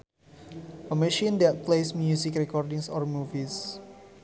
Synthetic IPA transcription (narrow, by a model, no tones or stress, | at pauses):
ʔəmɛ̃ʃĩndɛt̪̚plesmjusikrɛkɔrdĩŋsɔrmuvis